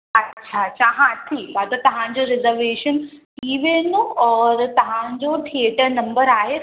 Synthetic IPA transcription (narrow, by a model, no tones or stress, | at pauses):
ɐtːɕʰat͡ɕaɦãt̪ʰibad̪ɐt̪ɐʋ̤ãɲd͡ʑoɾɪzəɾʋeːʃənʰ | iʋeːnõɔːɾt̪ɐʋ̤ãɲd͡ʑoʈʰieʈəɾnɐ̃mbəɾaːɦe